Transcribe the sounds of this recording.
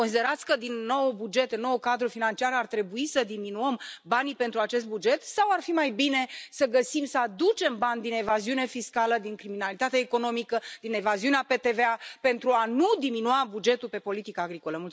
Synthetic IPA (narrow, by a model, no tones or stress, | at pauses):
kons̬id̪eɾat̪sʲkəd̪inːo̞wbud͡ʒe̞t̪ɨnːo̞wukad̪ɾufinant͡ʃiaɾart̪ɾe̞buisəd̪iminuəmbanipe̞nt̪ɾuat͡ʃe̞s̬t̪̚bud͡ʒe̞t̪sawarfimajbine̞səɡəsimsəad̪ut͡ʃe̞mbanʲd̪ine̞vaziune̞fiskaləd̪iŋkɾiminalit̪at̪eaeko̞no̞mikəd̪̥ine̞vaziuneape̞t̪e̞veape̞nt̪ɾuanud̪iminuabud͡ʒe̞t̪ulpe̞po̞lit̪ikaːɡɾiko̞ləmult̪